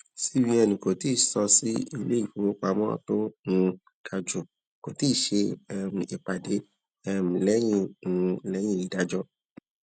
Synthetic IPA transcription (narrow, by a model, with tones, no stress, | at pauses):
si˦wi˧ɛ˧nĩ˨ko˨ti˦˨sɔ˧si˦ḭ˧le˦i˦˨fu˨˦wo˦k͡pa˧mɔ̃˦˨to˦ŋũ˧ | kʰa˨d͡ʒo˨ | ko˨ti˦˨ʃe˧ɛ˧m̩˨i˨k͡pa˨de˨˦ | ɛ˧m̃˨˧lɛ˦j̃ĩ˦˧ŋũ˧lɛ˦j̃ĩ˦i˨da˨˦d͡ʒɔ˦